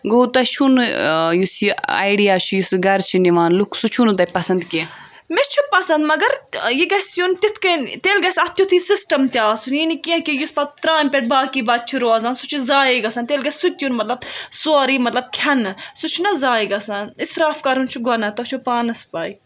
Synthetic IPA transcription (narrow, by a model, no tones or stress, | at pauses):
ɡot̪ɐt͡ʃʰunjusia̰ːjɖijaːt͡ʃʰujusɡɐɾt͡ʃʰiniʋaːnlukʰsut͡ʃʰunt̪̬ɐpɐsɐnd̪ki | met͡ʃʰupɐsɐnd̪mɐɡɐɾjiɡɐsjunt̪it̪ʰkɐnt̪eːlɡɐsɐt̪ʰjut̪ʰisisʈɐmt̪ʲaːsuninikiẽkijuspɐt̪̚t̪ɾãːnpʲeʈ̚baːkiːbaːd̪̚t͡ʃʰiɾoɐzãːnsut͡ʃʰuzaːjiɡɐsãnt̪eːlɡɐssut̪junmɐt̪lɐb̚soːɾiːmɐt̪lɐb̚kʲʰɐnsut͡ʃʰunɐzaːjiɡɐsanisɾaːfkɐɾunt͡ʃʰuɡonɐt̪ot͡ʃʰupaːnɐspaːi